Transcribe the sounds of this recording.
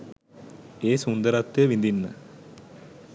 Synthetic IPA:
eːsund̪əɾat̪ːejəʋind̪inːə

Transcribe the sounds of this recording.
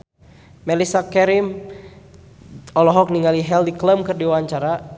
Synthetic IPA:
mɛlisakɛɾim | ɔlɔɦɔk̚niŋaliɦɛldikləmkɨrdiwaaɲt͡ʃaɾa

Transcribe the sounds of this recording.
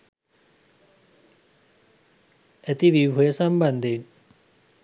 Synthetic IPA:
æt̪iʋiwɦujəsamband̪en

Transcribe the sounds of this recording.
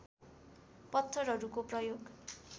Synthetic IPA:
pʌt̪ʰːʌrɦʌɾukoprʌjoɡ

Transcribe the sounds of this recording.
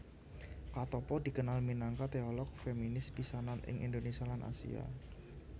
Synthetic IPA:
kat̪ɔpɔd̪̥i̤kənalminaŋkat̪eɔlɔk̚feminɪsbisananɪ̰ŋʔḭnd̪onesialanʔa̰sḭa̰

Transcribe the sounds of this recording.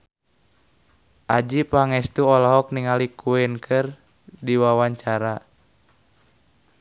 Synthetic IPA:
ʔad͡ʒipaŋɛst̪uɔlɔɦɔk̚niŋalikʰuɛnkʰɨr | diwawaɲt͡ʃaɾa

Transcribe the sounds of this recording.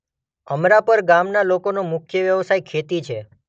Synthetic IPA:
əmɾapəɾɡamnalokonomʊkʰjəʋjəʋsajkʰet̪it͡ʃʰe

